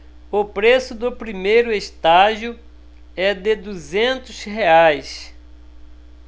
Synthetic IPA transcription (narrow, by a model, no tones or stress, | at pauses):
ʊpɾesʊd̪ʊpɾimejɾʊeʃt̪aʒjʊ | ɛd̪ed̪uzẽnt̪ʊsheajs